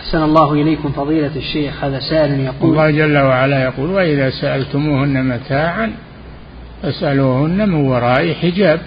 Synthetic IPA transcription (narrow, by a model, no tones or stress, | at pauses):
ʔaħsanɑlˤːɑːhʊʔɪlajkʊmfɑðˤiːlaʃːeːxhaːðaːsaːʔɪljɑquːlˤːɑːhd͡ʒalːawaʕalajaquːlwaʔɪðaːsaʔalt̪ʊmuhʊnːamat̪ʰaːʕan | fasʔaluːhʊnːamɪnwɑɾˤɑːʔiħɪd͡ʒaːb̚